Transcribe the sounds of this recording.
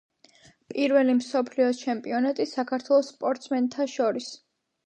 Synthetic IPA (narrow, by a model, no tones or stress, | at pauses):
pʼiɾvɛlimsɔpʰliɔt͡ʃʰɛmpʼiɔnat̪ʼisakʰaɾt̪ʰwɛlˠɔsːpʼɔɾt̪sʰmɛnt̪ʰaʃɔɾis